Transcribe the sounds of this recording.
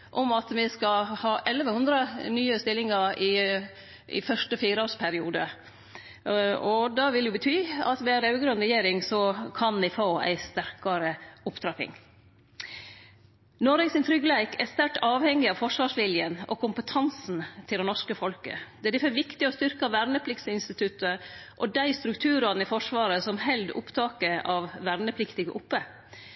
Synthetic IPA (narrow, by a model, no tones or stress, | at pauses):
ʔɔmɑt̪mɪskɑhɑːʔɛlːʋəhʉnd̪ɾənyːəst̪ɪlːɪŋɑɾɪ | ɪ̰fœʂʈəfiːɾɔːspʰæɾɪṵːd̪ə | ɔd̪ɑʋɪljʊbət̪ʰyːɑ̰t̪ʋɛæɾɑʉɡɾʉnɾɛjeːɾɪŋsɔkʰɑnɪfoːæ̰ɪst̪æɾkɑɾəʊpt̪ʰɾɑpɪ̰ŋ | noːɾɛɡsɪnt̪ʰɾʏɡlæɪkæst̪æʈɑːʋhɛŋːɪɑʋfɔʂʋɑːʂʋɪljənɔ̰kʰʊmpət̪ʰɑnsn̩t̪ʰɪlɛnɔʂkəfɔlkə̰d̪ɛæɖ̪ɪfœʋɪkt̪ɪɔst̪ʏɾkɑʋæɾnəpʰlɪkt̪səɪnst̪ɪt̪ʉt̪ːəʔɔd̪æɪst̪ɾʉkt̪ʰʉːɾɑnɪfɔʂʋɑːɾəsɔmhɛld̪ʊ̰pt̪ʰɑːkəɾɑʋʋæɾnəpʰlɪkt̪ɪɡə̰ʔʊpːə